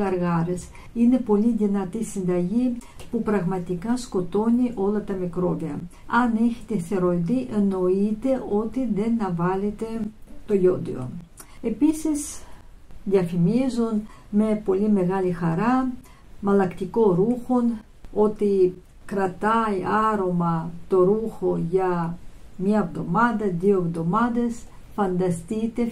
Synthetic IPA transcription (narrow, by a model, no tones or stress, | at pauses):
ɐɾɣɐɾe̞s | ine̞po̞liðinɐt̪isind̪ɐʝi | pupɾɐɣmɐt̪ikɐsko̞t̪o̞niʔo̞lɐt̪ɐmikɾo̞viɐ̰ | ɐne̞çi̥t̪eθe̞ɾoðiʔeno̞it̪e̞ʔo̞t̪iðe̞nɐvɐlet̪e̞t̪o̞jo̞d̪ḭo̰ | e̞pisis | ðiɐfimizonme̞po̞lime̞ɣɐlixɐɾɐ | mɐlɐkt̪iko̞ɾuxo̞n | o̞t̪i | kɾɐt̪ɐiɐɾo̞mɐt̪o̞ɾuxo̞ʝɐ | mɲɐevðo̞mɐðɐðioevðo̞mɐðe̞s | fɐnd̪ɐst̪it̪e̞